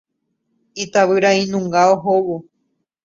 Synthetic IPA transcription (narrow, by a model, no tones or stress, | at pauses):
it̪aβɨɾaĩnũŋɡaoɦowo